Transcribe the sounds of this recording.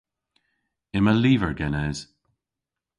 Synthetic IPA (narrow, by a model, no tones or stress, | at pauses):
ɪməliːvəɹɡɛnɛz̥